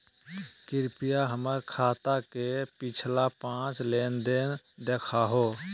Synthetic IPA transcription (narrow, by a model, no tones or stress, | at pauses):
kɪɾpijaɦəməɾkʰaːt̪akepɪt͡ʃʰlapãːt͡ʃleːnd̪eːn | d̪eːkʰaɦoː